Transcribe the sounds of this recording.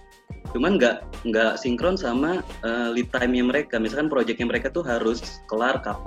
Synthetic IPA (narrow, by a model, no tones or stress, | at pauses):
t͡ʃumanŋɡaʔŋɡaʔsiŋkɾɔnsamaəːlit̪ajmɲaməɾekamisalkanpɾod͡ʒɛk̚jaŋməɾekat̪uɦaɾʊskəlarkap